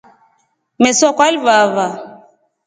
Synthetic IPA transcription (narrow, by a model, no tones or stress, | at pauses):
mɛsɔkwalβaβa